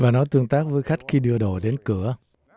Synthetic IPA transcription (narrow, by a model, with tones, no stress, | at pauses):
vaː˨˩nɔ˨˦jt̪ɨ˧əŋt̪aː˦˥k̚vəː˨˦jxa˦˥jk̟̚xi˧ɗɨ˧əɗo̰˧˨˩ɗe˨˦nkɨ˧˩ə